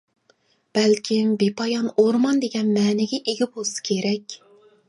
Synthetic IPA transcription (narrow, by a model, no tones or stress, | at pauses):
b̥ɛlkʲʰɪmbepʰɑjɑnoɾmɑnd̪eɡʲɛnmɛːnɪɡʲɛʔeɡʲip̚holˠsɨ̥kʲʰeɾɛkʲ